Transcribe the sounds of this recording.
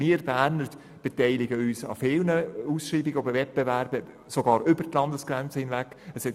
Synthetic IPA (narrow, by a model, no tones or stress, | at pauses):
miːɾb̥æːɾnə | b̥ɛtɛɪlɪɡəyːsɑ̰fɪlnəuːsʃɾiːbɪɡəɔbəvɛt̚b̥ɛvæɾbə | soɡɑːɾʏbərtlɑndəsɡ̥ɾænt͡səhɪnvæk | əsɛ